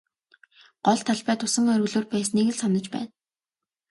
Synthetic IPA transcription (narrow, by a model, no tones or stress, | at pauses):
ɢ̥ɔɮt̪ʰːaɮpæːt̪ʊsə̆ŋœɾɣɵ̆ɮoːrpæːsniɣɘ̆ɮsɔnə̆t͡ɕpæ̰ːn